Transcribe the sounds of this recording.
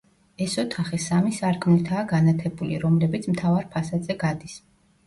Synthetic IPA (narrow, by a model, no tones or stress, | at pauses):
ɛsɔt̪ʰaχisamisaɾkʰmnit̪ʰaːɡanat̪ʰɛbulḭɾɔmlɛbit̪sʰmt̪ʰavaɾpʰasad̪zɛɡad̪is